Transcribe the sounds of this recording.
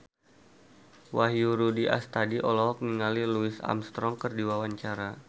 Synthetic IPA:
waɦjuɾudiʔa̰st̪adiʔɔlɔɦɔk̚niŋaliluisa̰mst̪ɾɔŋkərdiwawaɲt͡ʃaɾa

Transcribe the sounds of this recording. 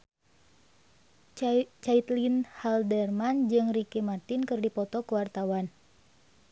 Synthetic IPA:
t͡ʃait̪linhaldɛrmand͡ʒɨŋrikimat̪inkɨrdipɔt̪ɔkuwart̪awan

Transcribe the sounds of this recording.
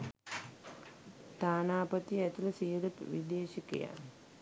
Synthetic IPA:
t̪aːnaːpət̪iæt̪uləsijələʋid̪eːʃikḛja̰

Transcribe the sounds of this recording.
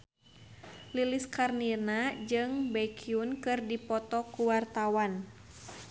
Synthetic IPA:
liliskarninad͡ʒɨŋbɛkʰiunkɨrdipɔt̪ɔkuwart̪awan

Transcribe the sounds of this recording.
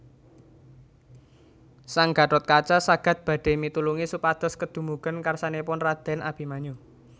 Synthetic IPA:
saŋɡ̥a̤ʈɔt̪̚kat͡ʃasaɡ̥a̤t̪̚b̥ä̤ɖ̥e̤mit̪uluŋisupad̪̥ɔ̤skəd̪̥ṳmuɡ̥ə̤nkarsanepʊnrad̪̥ɛnab̥i̤maɲu

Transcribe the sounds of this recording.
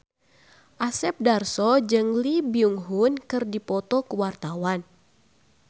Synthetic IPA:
ʔasɛp̚darsɔd͡ʒɨŋlibiuŋɦunkɨrdipɔt̪ɔkəwart̪awan

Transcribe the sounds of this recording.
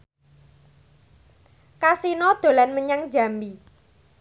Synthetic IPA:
kasinɔd̪̥o̤lanməɲaŋ̥d͡ʒa̤mi

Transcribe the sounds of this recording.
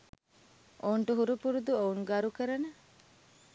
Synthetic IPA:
ʔoːɳʈuɦuɾupuɾud̪uouŋɡaɾukəɾɐnɐ

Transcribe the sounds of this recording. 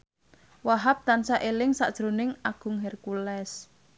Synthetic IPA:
waɦap̚t̪ansaʔelɪŋsa̰ʔd̥ʒ̥ɾo̤nɪŋaɡ̥ʊ̤ŋɦɛrkulɛs

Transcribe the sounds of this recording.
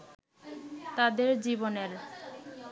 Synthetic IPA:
t̪ad̪eɾd͡ʑiboneɾ

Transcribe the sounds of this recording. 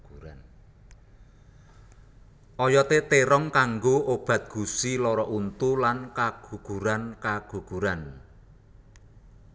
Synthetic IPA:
ɾan | ʔɔjɔt̪et̪eɾɔŋkaŋɡoob̥a̤t̪̚ɡ̥ṳsilɔɾɔʔunt̪ulankaɡ̥ṳɡ̥ṳɾankaɡ̥ṳɡ̥uɾan

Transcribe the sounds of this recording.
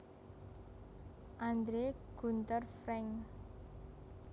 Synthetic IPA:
ʔand̪ɾeɡ̥ṳnt̪ərfɾɛŋ

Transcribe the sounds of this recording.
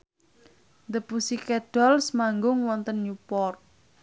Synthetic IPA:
nd̪əpusikɛɖ̥ɔ̤lsmaŋɡʊŋwɔnt̪ənjupɔr

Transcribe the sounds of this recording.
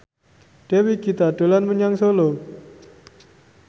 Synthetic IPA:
ɖ̥ewiɡit̪aɖ̥o̤lanməɲaŋsolo

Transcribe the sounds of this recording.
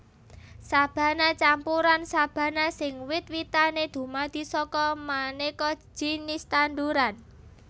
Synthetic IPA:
sab̥a̤nat͡ʃampuɾansab̥a̤nasɪŋwɪt̪̚wit̪aned̪̥ṳmad̪̥i̤sɔkɔmanekɔ̥d͡ʒ̥i̤nist̪and̪uɾan

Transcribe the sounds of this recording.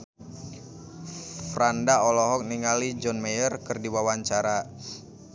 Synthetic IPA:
fɾandaɔlɔɦɔk̚niŋalid͡ʒɔnmejərkɨrdiwawaɲt͡ʃaɾa

